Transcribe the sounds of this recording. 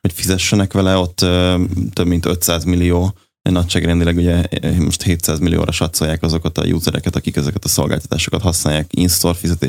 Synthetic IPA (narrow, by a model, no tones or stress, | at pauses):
hocfizɛʃːɛnɛkʋɛlɛo̞t̪ːøːt̪øbmint̪øt̪saːzmilːijoː | ḛnɒcʃaːɡrɛnd̪ilɛɡuɟɛmo̞̰ʃt̪heːt̪saːzmilːijo̰ːɾʔɒʃɒt̪so̞jaːkɒzo̞kɒt̪ɒ̰jṵːzɛɾʔɛ̰kɛt̪ɒkikɛzɛkɛt̪ɒso̞lɡa̰lt̪ɒ̥t̪aːʃokɒt̪hɒsnaːjaːkinst̪o̞rfizɛt̪eːʃ